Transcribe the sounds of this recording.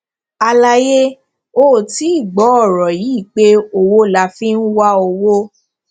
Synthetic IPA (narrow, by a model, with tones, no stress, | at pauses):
a˧la˧je˦ | o˦˨ti˨˦i˦˨ɡ͡bɔ˨˦ɔ˦˨ɾɔ˨ji˨˦i˦˨k͡pe˦o˧wo˦la˧fĩ˦n̩˦wa˦o˧wo˦